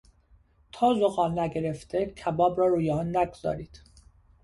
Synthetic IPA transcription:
t̪ʰɒːzoɣɒːlnæɡe̞ɾe̞ft̪ecʰæbɒːbɾɒːɾuːjeɒːnːæɡoz̥ɒ̰ːɾiːd̪̥

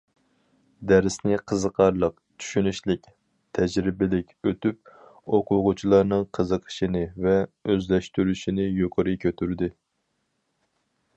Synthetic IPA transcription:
d̪æɾɪsnɪqʰəzəqʰɑɾlˠəq | t͡ʃʰy̥ʃynyʃlɪkʲ | t̪ʰɛd͡ʒɾɪbɪlɪkʲøt̪yp̚oqʰʊʁʊt͡ʃʰilˠɑɾnɨŋqʰəzəqʰə̥ʃinɨvɛøzlɛʃt̪yɾyʃinɪjoqʰəɾɨkʲʰøt̪ʰyɾd̪ɪ

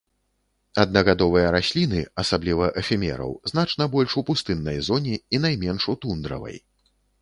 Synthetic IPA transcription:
ɐd̪̚nɐɣad̪ɔvɨjɐɾasʲlʲinɨɐsablʲivɐʔɛfʲimʲɛ̰ɾɐ̰wznat͡ʂnɐbɔlʲʂupust̪ɨnːɐjzɔnʲiin̪ajmʲɛnʂut̪und̪ɾɐ̰vɐ̰j

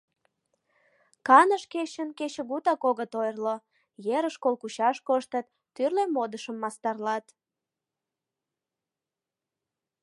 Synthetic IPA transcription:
kɑnəʃket͡ɕənket͡ɕəɣut̪ɑkoɣət̪ojrlo | jeɾəʃkolkut͡ɕɑʃkoʃt̪ət̪ːyrlemod̪əʃəmːɑst̪ɑrlɑt̪

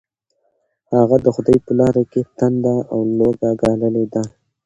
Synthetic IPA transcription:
haɣad̪əxʊd̪ɑjpəlɑɾaket̪and̪aawloɡaɡɑləled̪a

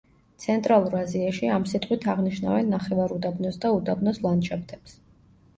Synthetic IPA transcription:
t̪sʰɛnt̪ʼɾalˠuɾaziaʃiamsit̪ʼqʼwit̪ʰaʁniʃna̰vɛnːaχɛvaɾud̪abnɔsd̪aud̪abnɔslˠanʃʰap̚ʰt̪ʰɛps

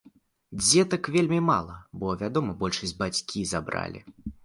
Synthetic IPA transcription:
d͡zʲɛt̪ɐkvʲelʲmʲimalˠɐbɔvʲad̪ɔmɐbɔlʲʂɐsʲbat͡sʲkʲizabɾa̰lʲḭ

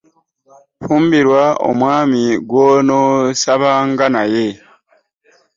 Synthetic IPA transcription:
fuːmbiɾwao̰mwaːmiɡwonosaβaŋɡanaje

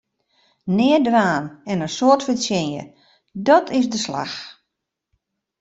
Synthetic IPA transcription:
nɪədʋaːnɛnənsoərtfəsjɪnjə̰ | dɔtʰɪsdəsla̰x

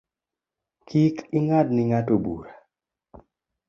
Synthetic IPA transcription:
kʰikɪŋadnɪŋatobṵɾa

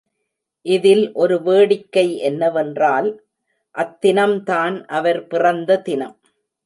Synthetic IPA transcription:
ʔɪðɪlʔɔɾɯʋeːɽɪkːɐɪʔɛnːɐʋɛndraːl | ʔɐt̪ːɪnɐmt̪aːnʔɐʋɐɾpɪrɐnd̪ɐt̪ɪnɐm

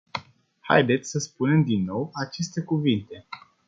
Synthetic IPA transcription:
ha̰jd̪e̞t̪sʲsəspune̞md̪inːo̞wat͡ʃe̞st̪e̞kuvint̪e̞

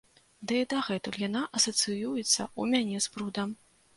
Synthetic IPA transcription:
d̪ɨid̪ɐɣɛt̪ɨwjanaʔɐsɐt̪sɨjujɛt̪sːɐ̰umʲanʲɛspɾud̪ɐm

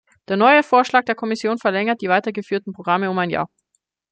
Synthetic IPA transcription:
d̥eːɐnɔʏəfoːɐʃlaːk̚d̥eːɐkʰɔmɪsjoːnfɛɐlɛŋɐt̚d̥iːvaɪtɐɡəfyːɐtn̩pʁ̥oɡ̥ʁaməʊmaɪnja̰ːɐ

